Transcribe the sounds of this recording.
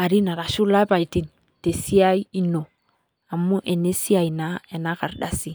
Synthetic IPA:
a˨ɾi˦na˨ɾa˨ʃu˦la˦e˦pa˨i˨ti˦n | te˨si˦a˦i˦i˦no˨ | a˨mu˦ʔe˨ne˦si˦a˨ina˦e˨na˦ka˨ɾda˨si˦

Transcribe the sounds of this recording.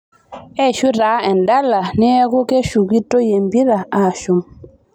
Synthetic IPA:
ɛ˦˨ʃu˦ɾaː˨˦ɛ˨nda˦la˨nɛ˦ku˦ke˦ʃu˨ki˦to˦je˨mbi˦ɾa˨a˨ʃu˨m

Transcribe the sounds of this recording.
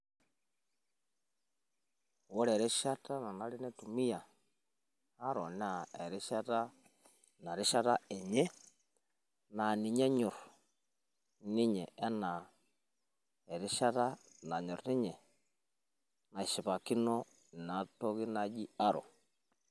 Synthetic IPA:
wɔ˦ɾɛ˨ɾɛ˦ʃa˦ta˦na˨na˦ɾi˦nɛ˦tu˨mi˦ja˨ | a˦ɾɔ˨n˦a˨ɛ˨ɾi˦ʃa˦ta˦ | na˨ɾi˦ʃa˦ta˦ɛ˨ɲɛ˦ | na˨ni˨ɲɛ˦ɲɔ˨ɾ | ni˦ɲɛ˨ɛ˦na˨ | ɛ˨ɾi˦ʃa˦ta˦ | na˨ɲɔ˨ɾni˦ɲɛ˨ | na˨i˨ʃi˨βa˨ki˦nɔ˦˨ | na˨tɔ˦ɣi˦na˦d͡ʒi˦a˦ɾɔ̰˨

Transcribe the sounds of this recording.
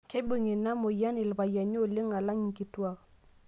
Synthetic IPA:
ke˦bu˨ŋi˨na˦mo˨ja˦nɪ˨lba˨ja˨ɲo˦˨le˦ŋa˨la˦ɲi˨ki˨twa˦k

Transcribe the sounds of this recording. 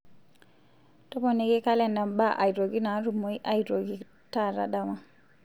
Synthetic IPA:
tɔ˦pɔ˨ne˨ɡe˦ka˦lɛ˨nda˨mba˦ʔa̰˨jo˨ɡi˦na˨˦ɾu˨mo˨˦i˦ʔa˦jdɾo˨ɡi˨ | ta˦˨ɾa̰˨ɗa˨ma˨

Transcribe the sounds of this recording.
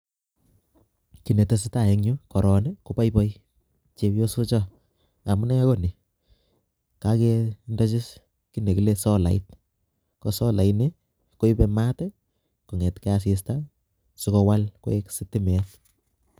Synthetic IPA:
ki˨ne˨te˨s̬i˦ta˨e˨ŋɲʊ˦kɔ˨ɾɔ˨neko˦pa˦jpɔ˦j | t͡ʃe˦pjo˦su˦t͡ʃɔ˦ | a˨mu˦nɛ˦ko˦ni˨ | ka˦kendɔ˦t͡ʃɪ˦s | ki˦ne˨ki˨le˦sɔ˦la̰˨it̚ | kɔ˨sɔ˦la˨ine | ko˦ipema˦tɛ | ko˨ŋɛ˨tkɛ˦as̬i˨s̬ta | sikɔ˧wa˦lko̰˦e˦ksitɪ˦mɛ˨t

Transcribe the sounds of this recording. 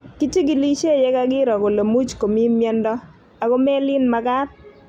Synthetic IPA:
ki˦ti˦ɡɪ˨li˦t͡ʃe˦˨jɛ˦ka˦ɡɪ˦ɾɔ˨ɡo˨lo˨mu˦t͡ʃko˨mi˦mjɛ˦ndɔ˦ | a˨ɡo˦mɛ˦lɪ˦nma˨ɡa˦t

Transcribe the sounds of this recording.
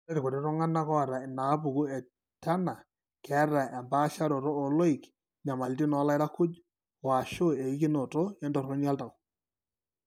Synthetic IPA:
ɛ˦ɾɪ˨ko˨ɾɛ˦ɾɔ˦ŋa˦na˦kɔ˦a˨ɾa˨ɪ˨na˨˦p̬u˨ku˦ɛ˨ | ta˦na˨ | kʰɛ˨˦ra˨ɛ˨mba˦ʃa˦ɾo˨ɾoː˦˨lo˦ɪ˨k | ɲa˨ma˨lti˦nɔ˨˦la˦ɪ˦ɾa˦kʊ˦d͡ʒ | ɔ˨a˨ʃo˦e˨i˦k̬ɪ˦no˨to˦ɛ˦ndɔ˨rkɔ˦nja˦lta˨w

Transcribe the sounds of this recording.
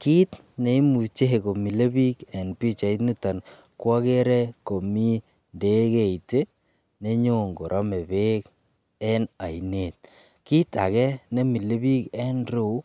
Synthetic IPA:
ki˦t | ne˨i˦mu˨t͡ʃe˦ɦe˨ko˨mi˨le˦bi˦kɛ˨npi˦t͡ʃa˨i˦nu˦ta˨n | kwɔ˦ke˦ɾɛ˦ko˨mi˦ | nde˦ke˨i˨te˦ | ne˦ɲo˦ŋɡo˨ɾʔɔ˦me˨be˦k | ɛ˦na˨i˨ne˨t̚ | ki˦ta̰˨kɛ˦ne˦mi˨le˦bi˦kɛ˦nɾo˨˦

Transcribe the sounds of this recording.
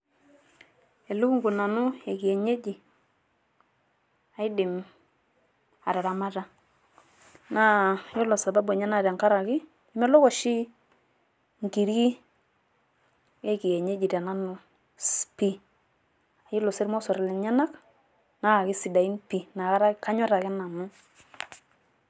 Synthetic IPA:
e˨lu˦ku˦ŋɡu˨na˨nʊ˦e˨ki˨ɛ˨ɲe˦d͡ʒi˨ | a˨jdɪ˨m | a˨ɾa˨ɾa˨ma˦ta˦ | na˦jɔ˦lɔ˨sa˨ba˦bwɛ˨ɲa˦na˨ɾa˨ŋka˦ɾa˨kɪ˦ | i˦mɛ˦lɔ˦kɔ˨ʃi˦ | ŋki˨ɾi˦ | e˦ki˨jɛ˨ɲe˦d͡ʒi˨ta˨na˦nʊ˨ | spi˦ | a˨jɪ˦lɔ˨sɪ˦ɾmɔ˦sɔ˨ɾɪ˨lɛ˨ɲa˦na˦k | na˦a˨kɪ˦si˨da˨i˦npi˨na˨a˦ɾa˦ka˦ɲɔ˦ɾa˨kɪ˦na˨mʊ˦

